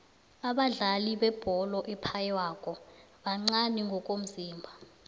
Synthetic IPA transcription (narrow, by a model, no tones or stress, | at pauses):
aɓaɮaliɓɛb̥ʱɔlɔʔɛpʰajɛwaːkʼɔ | ɓaŋ͡ǀaniŋɡʱɔkʼom̩ziːmbʱa